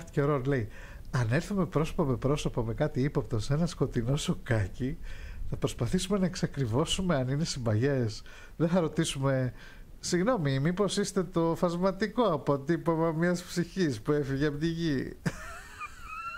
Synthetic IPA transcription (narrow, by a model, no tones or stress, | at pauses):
t̪i̥ceoɾonle̞i | ɐne̞ɾθume̞pɾo̞so̥pome̞pɾo̞so̞pome̞kɐt̪iipop̚t̪o̞se̞nɐsko̞t̪ino̞so̞kɐciθɐpɾo̞spɐθisumenɐe̞ksɐkɾivo̞sume̞ɐnine̞simbɐʝe̞s | ðeθɐɾo̞t̪isume̞ | siɣno̞mimipo̞sist̪e̞t̪o̞fɐzmɐt̪iko̞ɐpot̪ipɐmɐmɲɐspsiçispue̞fiʝeɐpt̪iʝi